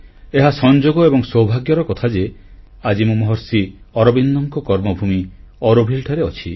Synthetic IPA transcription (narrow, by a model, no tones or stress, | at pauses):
eɦasɔnd͡ʒoɡɔebɔŋsɔwbʱaɡjɔɾɔkɔt̪ʰad͡ʒe | ad͡ʒimũmɔɦɔɾsiɔɾɔbind̪ɔŋkɔkɔɾmɔbʱumi | ɔɾobʱilʈʰaɾeɔt͡ʃʰḭ